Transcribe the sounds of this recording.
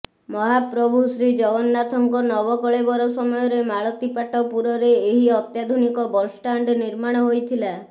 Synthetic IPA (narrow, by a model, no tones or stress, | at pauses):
mɔɦapɾɔbʱusɾid͡ʒɔɡɔnːat̪ʰɔŋkɔnɔβɔkɔɭebɔɾɔsɔmɔjɔɾemaɭɔt̪ipaʈɔpuɾɔɾeːɦiɔt̪jad̪ʱunikɔbɔsʈaɳɖniɾmaɽ̃ɔɦojt̪ʰila